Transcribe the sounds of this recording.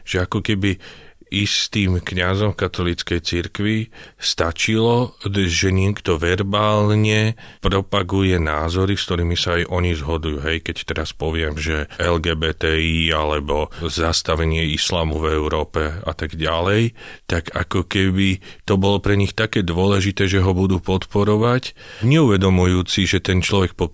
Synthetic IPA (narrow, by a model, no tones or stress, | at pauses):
ʒ̥ɛakɔkɛbiist̪iːmkɲazɔmfkat̪ɔliːt͡skɛjt͡siɾkʋist̪at͡ʃilɔʒɛɲɛkt̪ɔʋɛɾbaːlɲɛpɾɔpaɡujɛnaːzɔɾiskt̪ɔɾiːmisaːjʔɔɲizɦɔd̪ujuːɦɛjkɛct̪ɛɾaspɔʋɪɛmʒɛʔɛlɡɛːbɛːt̪ɛialɛbɔzast̪aʋɛɲɪɛislaːmuvɛuɾɔːpɛa̰t̪aɡɟalɛjt̪aɡakɔkɛbit̪ɔbɔlɔpɾɛɲixt̪akɛːd̪ʋʊɔlɛʒit̪ɛːʒɛɦɔbud̪uːpɔt̪pɔɾɔʋacɲɛuʋɛd̪ɔmujuːt͡siʒɛt̪ɛnt͡ʃlɔʋɛk̚pɔ